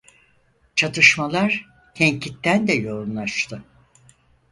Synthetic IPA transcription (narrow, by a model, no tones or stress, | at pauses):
t͡ʃʰat̪ʰɯʃmalˠaɾ̥ | c̪ʰɛɲcʰit̪ːænd̪ɛjo̞ɾumlˠaʃt̪ʰɯ